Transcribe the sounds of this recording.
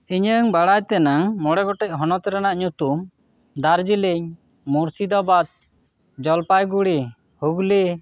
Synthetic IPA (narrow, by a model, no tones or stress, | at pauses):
iɲəŋbaɽajt̪ɛnaŋmɔɽɛɡɔʈɛc̚ɦɔnɔt̪ɛɾanaʔɲut̪um | d̪aɾd͡ʒiliɲ | muɾsid̪ɔbad̪̚ | d͡ʒɔlpajɡuɽi | huɡli